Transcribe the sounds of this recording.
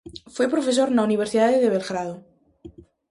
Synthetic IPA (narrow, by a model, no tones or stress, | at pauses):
fwepɾofesoɾnauniβ̞eɾsiðaðeðeβelɣɾaðo